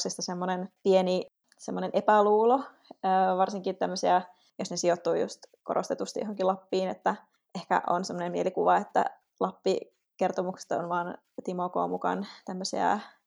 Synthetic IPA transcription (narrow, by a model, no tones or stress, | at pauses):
sist̪ɑsemːonenpieni | semːonenʔepæluːlo | əːʋɑrsiŋkit̪t̪æmːøsiæ | josnesiot̪ːuːjṵst̪koɾost̪et̪ust̪ijohoŋkilɑpːiːnet̪ːæ | ʔehkæ̰ʔo̰nsemːonemmielikuʋɑet̪ːæ̰ | lɑpːi | kert̪omukse̥t̪onʋɑːn | t̪imoko̰ːmukɑ̰nt̪æmːøsiæ̰